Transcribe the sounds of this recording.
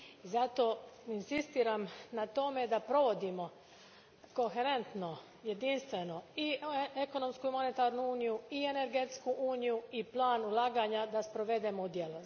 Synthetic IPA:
izat̪o̞ːinsist̪iːɾamnat̪o̞me̞d̪apɾo̞ʋo̞d̪imo̞ | ko̞xeɾe̞nt̪no̞ | je̞d̪inst̪ʋe̞noieko̞no̞mskuimo̞ne̞t̪aːɾnuuːnijuiene̞ɾɡet̪skuʔuːnijuiplˠaːnulˠaːɡaːɲad̪aspɾo̞ʋe̞d̪emoud̪jelo

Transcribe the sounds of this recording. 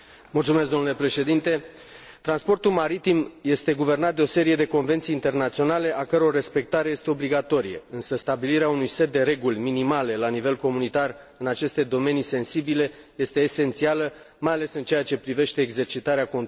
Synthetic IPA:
mult̪sumesk̪d̪o̞nulepɾe̞ʃe̞d̪int̪e̞ | t̪ɾanspo̞rt̪ulmaɾit̪imje̞st̪e̞ɡuve̞rnat̪̚d̪eo̞se̞ɾije̞d̪e̞ko̞nve̞nt̪sijiːnt̪e̞rnat̪sio̞nale̞ʔakəɾeore̞spe̞k̚t̪aɾe̞je̞st̪e̞o̞bliɡat̪o̞ɾijḛɨnsəst̪abiliɾeaunujse̞t̪̚d̪e̞ɾe̞ɡulʲminimale̞lanive̞lko̞munit̪ar | ɨnat͡ʃe̞st̪e̞d̪o̞me̞nise̞nsibile̞ | je̞st̪e̞ːse̞nt̪sialə | majale̞sɨnt͡ʃe̞at͡ʃe̞pɾive̞ʃt̪e̞ːɡze̞rt͡ʃit̪aɾeakon

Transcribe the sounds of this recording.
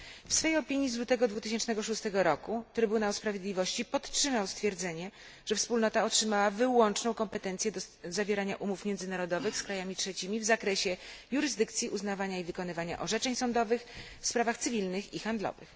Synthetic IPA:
fsfɛjɔpʲiɲizlwut̪ɛɡɔd̪vut̪ɘɕ̬ɛnt͡ʂnɛɡɔʂust̪ɛɡɔɾɔkut̪ɾɘbunawspɾavʲjed̪lʲivɔɕt͡ɕipɔt̪tʂɘmawst̪fʲjɛɾd̪zɛɲɛ | ʐ̥ɛfspulnɔt̪aɔtʂɘmawavɘwɔnt͡ʂnɔ̃w̃kɔmpɛt̪ɛnt̪sʲjɛd̪ɔzavʲjeɛɾaɲaʔumufmʲjɛnd̪zɘnaɾɔd̪ɔvɘxskɾajamʲitʂɛt͡ɕimʲivzakɾɛɕɛjuɾɘzd̪ɘk̚t̪sʲjiʔuznavaɲaivɘkɔn̪ɘvaɲa̰ʔɔʐɛt͡ʂɛɲsɔnd̪ɔvɘx | fspɾavaxt̪sɘvʲilnɘxixand̪lɔ̰vɘ̰x

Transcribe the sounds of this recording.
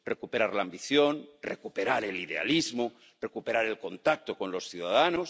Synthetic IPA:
rekupeɾaɾlaːmbiθjonrekupeɾaɾeliðe̞a̰lizmo | re̞kupe̞ɾaɾe̞lko̞nt̪ak̚t̪oko̞nlo̞sθjuðaðanos

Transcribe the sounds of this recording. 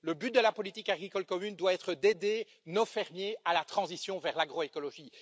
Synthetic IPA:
ləbyt̪̚d̪əlapɔlit̪ikaɡʁikɔlkɔmynd̪waɛːt̪χəd̪ed̪e | nofɛʁmjealat̪χɑ̃zisjɔ̃vɛʁlaɡʁɔekɔlɔʒiː

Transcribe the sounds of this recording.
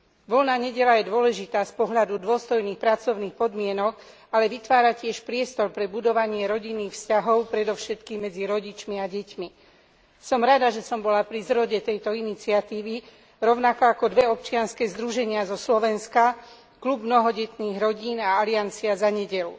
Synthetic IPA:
ʋɔlnaːɲɛɟɛlajɛd̪ʊɔlɛʒit̪aːspɔɦʎad̪ud̪ʊɔst̪ɔjniːxpɾat͡sɔʊniːxpɔd̪mɪɛnɔk | alɛʋit̪ʋaːɾacɪɛʃpɾɪɛst̪ɔɾpɾɛbud̪ɔʋaɲɪɛɾɔɟinːiːxfscaɦɔʊpɾɛd̪ɔfʃɛt̪kiːmːɛd͡ziɾɔɟit͡ʃmiaɟɛcmi | sɔmɾad̪aʒɛsɔmbɔlapɾizɾɔɟɛt̪ɛjt̪ɔinit͡siat̪iːʋi | ɾɔʊnakɔakɔd̪ʋɛɔp̚t͡ʃɪanskɛːzd̪ɾuʒɛɲɪazɔslɔʋɛnska | klubmnɔɦɔɟɛt̪niːɣɾɔɟiːnaaliant͡siazaɲɛɟɛlṵ

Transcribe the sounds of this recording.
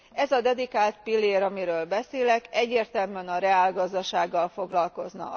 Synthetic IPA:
ɛzɒd̪ɛd̪ikaːlt̪̚pilːeːɾɒmiɾøːlbɛseːlɛkɛɟːeːrt̪ɛlmyɛnɒɾɛaːlɡɒzd̪ɒʃaːɡːɒlfo̞ɡlɒlko̞znɒ̰

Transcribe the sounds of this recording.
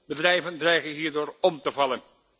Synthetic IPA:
bədrɛjvəndrɛjχənɦiːɹdoːɹɔmtəvɑlən

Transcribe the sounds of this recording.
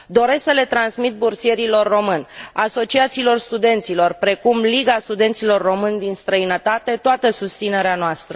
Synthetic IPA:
d̪o̞ɾe̞sksəle̞t̪ɾansmit̪̚bursije̞ɾilo̞rːo̞mɨnʲaso̞t͡ʃiat̪silo̞rst̪ud̪e̞nt̪silo̞rpɾe̞kumliɡast̪ud̪e̞nt̪silo̞rːo̞mɨnʲd̪inst̪ɾəinət̪at̪e̞t̪oat̪əsust̪sine̞ɾeanoast̪ɾə

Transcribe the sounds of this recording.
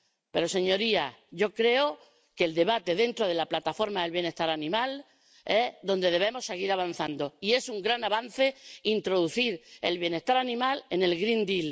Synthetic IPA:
pe̞ɾo̞se̞ɲo̞ɾiaʝo̞kɾe̞o | ke̞ld̪e̞βat̪e̞ðe̞nt̪ɾo̞ðe̞laplat̪afo̞ɾmaelβje̞ne̞ht̪aɾanĩmal | e̞ðõ̞nd̪e̞ðe̞β̞e̞mo̞sːe̞ɣ̞iɾaβ̞an̟θand̪o̞ie̞suŋɡɾanaβan̟θe̞int̪ɾo̞ðuθiɾe̞̰lβje̞ne̞ht̪aɾanĩmale̞ne̞lɣɾĩnd̪il

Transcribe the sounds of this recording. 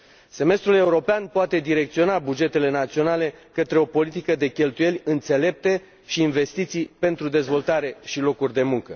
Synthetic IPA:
se̞me̞st̪ɾule̞uɾo̞peanpoat̪e̞d̪iɾe̞k̚t̪sio̞nabud͡ʒe̞t̪e̞le̞nat̪sio̞nale̞kət̪ɾe̞o̞po̞lit̪ikəd̪e̞kʲe̞lt̪uje̞lʲɨnt̪se̞le̞p̚t̪e̞ | ʃiːnve̞st̪it̪sijpe̞nt̪ɾud̪e̞zvo̞lt̪aɾe̞ʃilo̞kurʲd̪e̞muŋkə

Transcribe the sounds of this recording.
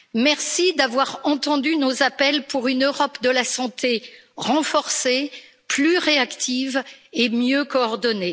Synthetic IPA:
mɛʁsid̪avwaʁɑ̃t̪ɑ̃d̪ynozapɛlpuʁynøʁɔpd̪əlasɑ̃t̪ʰeʁɑ̃fɔʁse | plyʁeakt̪ʰivemjøkoɔʁd̪ɔne

